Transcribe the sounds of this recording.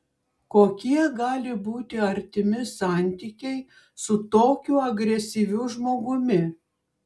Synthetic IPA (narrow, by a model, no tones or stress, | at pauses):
koːkʲiɛɡɑːlʲɪbuːt̪ʲɪɐɾʲt̪ʲɪmʲɪsɑˑnʲt̪ʲiːkʲɛɪ | sʊt̪oːkʲʊɐɡɾʲɛsʲiːʋʲʊʒmoːɡʊmʲɪ